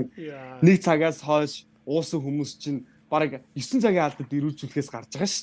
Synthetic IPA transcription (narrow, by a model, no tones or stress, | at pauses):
ŋnekt͡sʰaɣʲaːsχœːʃ | ʊːsə̆ŋxumuːst͡ɕʰin | paɾə̆kjɵsɘ̆nt͡sʰaɣʲiːŋaɮt̪ə̆t̪iɾuːɮt͡suɮxeːsɢart͡ɕə̆χə̆ʃ